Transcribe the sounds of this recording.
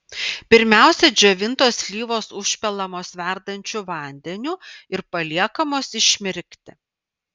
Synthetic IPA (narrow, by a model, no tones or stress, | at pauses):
pʲɪɾʲmʲæˑʊsʲɛd͡ʒʲoʋʲɪnt̪oːslʲiːʋoːsʊʃʲpʲɛlˠɐmoːsʋʲæˑɾd̪ɐnʲt͡ʃʲuʋɐˑnʲd̪ʲɛnʲuːɪɾpɐlʲiɛkɐmoːsɪʃʲmʲɪɾʲkʲt̪ʲɪ